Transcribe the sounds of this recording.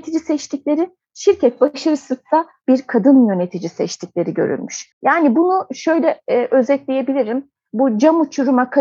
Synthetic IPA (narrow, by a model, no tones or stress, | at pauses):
t̪ʰid͡ʒisɛt͡ʃt̪ʰic̚lʲe̞ɾi | ʃiɾcʰɛt̪̚baʃaɾɯsɯzsa | b̥iɾkʰad̪ɯnjø̞ne̞t̪ʰid͡ʒisɛt͡ʃt̪ʰicʲlʲe̞ɾiɟø̰ɾy̰nmyʃjaːnibunuʃø̞jlʲɛʔø̞zɛt̪ʲlʲeje̞bilʲiɾim | bud͡ʒamut͡ʃʰuɾumakʰa